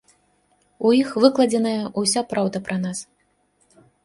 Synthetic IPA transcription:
ujixvɨklˠɐd͡zʲɛnɐjɐʔusʲapɾawd̪ɐpɾʔɐnas

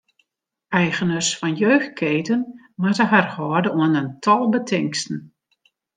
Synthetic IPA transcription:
ɛjɣənəsfɔnjøːx̚kʰeːtən | matəɦarhɔːrdəuənəntʰɔlˠbətʰɪŋkstn̩

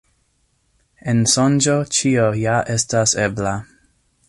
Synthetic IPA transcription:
ensond͡ʒot͡ʃiojaʔestasebla

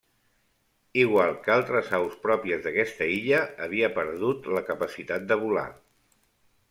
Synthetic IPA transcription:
iɣwalˠkalˠt̪ɾəzawspɾɔpiəzðəkɛst̪əiʎəːβ̞iəpəɾðut̪ləkəpəsit̪at̪̚d̪əβ̞ula̰

